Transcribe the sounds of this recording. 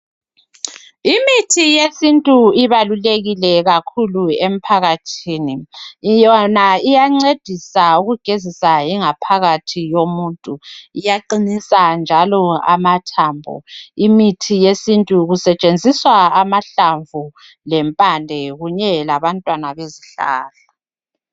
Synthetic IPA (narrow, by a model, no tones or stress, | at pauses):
imitʰijesintʼuiβaluleɣilɛɣakʰuluem̩pʰaɣatʰiːnijɔnaijaŋ͡ǀed̥ʱisauɣuɡ̥ʱezisajiŋapʰaɣatʰijomuntʼuijaǃinisand͡ʒʱalɔa̰matʰaːmbʱɔ̰imitʰijesintʼuɣusɛt͡ʃʼend͡zʱiswaamaɬaɱvu | lɛmpʼandʱɛɣuɲɛlaβantʼwanaβeziɬa̰ːla